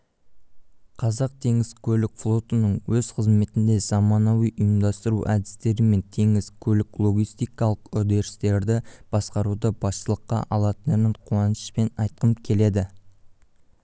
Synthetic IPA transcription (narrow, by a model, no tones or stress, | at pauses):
qʰɑzɑq̚t̪ʰe̞ŋɪzkʲʰɵlɪkflˠo̞t̪ənəɴwɵz̥qʰəzme̞t̪ɪnd̪e̞zɑmɑnɑwijʔʊjəmd̪ɑst̪əɾuʔæd̪ɪst̪e̞ɾɪme̞nt̪ʰe̞ŋɪzkʲʰɵlɪklˠo̞ɡʲijst̪ijkɑlˠəqʏd̪e̞ɾɪst̪e̞ɾd̪ɪb̥ɑsqɑɾud̪əbɑst̪əlˠəqːɑ̰ʔɑlˠɑt̪ənənɪɴqʰuɑnəʃpe̞nɑjt̪̚qənkʲʰe̞le̞d̪ɪ